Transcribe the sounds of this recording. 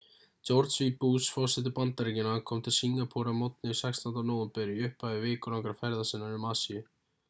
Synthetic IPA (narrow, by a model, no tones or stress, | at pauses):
t͡ʃɔwɾt̪svipuːsfɔ̥sɪt̪̬ɪpant̪ːaɾiɲcɪnakʰɔːmt̪ʰɪlsiŋapʰuɾamɔt̪nɪisɛkst̪ɔnanoːwʏmpɛːɾɪʏhpavɪvɪːkʏlawŋkɾaɾfɛɾðasɪnːaɾɪmaːsijʏ